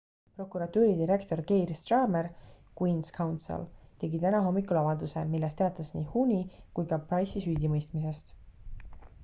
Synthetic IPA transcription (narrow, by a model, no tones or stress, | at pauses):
pro̞kːˑuɾɑt̪uːɾid̪iɾe̞kt̪o̞rkejrst̪rɑːmeɾkwinskʰɑwnt̪sḛlt̪e̞ɡit̪ænɑɦo̞mːikulɑvɑld̪use̞milːest̪e̞ɑt̪ˑːɑsniːhunʲikujkɑprɑjsisyːd̪imɤjst̪mise̞st̪